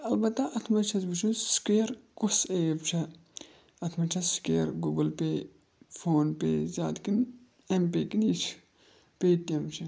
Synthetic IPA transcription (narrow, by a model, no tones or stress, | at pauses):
ɐlbɐt̪ːɐʔɐt̪ʰmɐt͡ʃʰɐzbut͡ʃʰunskeːɾkusejbt͡ʃʰɐ | ɐt̪ʰmɐt͡ʃʰɐskeːɐɾɡuɡɐlpe | fʰoːnpḛzʲa̰ːt̪kin | emp̬eːkinit͡ʃʰ | peːt̪jɐmt͡ʃʰi